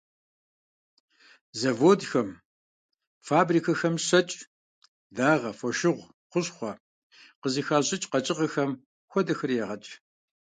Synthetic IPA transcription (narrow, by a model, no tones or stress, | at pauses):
zɐvoːdxɐm | faːbriːkʰɐxɐmɕɐt͡ʃʼ | daːʁɐfʷɔʃɪʁʷ | qʷʊɕχʷɔ | qəziːxaːɕʼɪt͡ʃʼqɐt͡ʃʼɪʁɐxɐm | xʷɔdɐxɨrjɛʁɐt͡ʃʼ